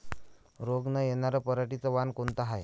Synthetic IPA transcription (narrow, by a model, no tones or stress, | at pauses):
ɾoɡnajenaɾəpəɾaʈit͡səʋankont̪aɦaj